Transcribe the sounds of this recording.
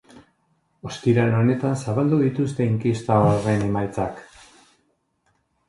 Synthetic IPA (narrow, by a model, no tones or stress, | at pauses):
o̞st̪iɾaeno̞ne̞t̪ansaβald̪uðit̪ust̪e̞iŋkist̪aoaɾe̞ne̞majt͡sak